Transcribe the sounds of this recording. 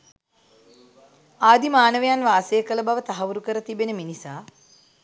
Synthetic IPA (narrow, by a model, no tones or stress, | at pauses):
aːd̪imaːnəʋejanʋaːsejəkələbaʋət̪aɦɐʋuɾukəɾət̪ibenəminisaː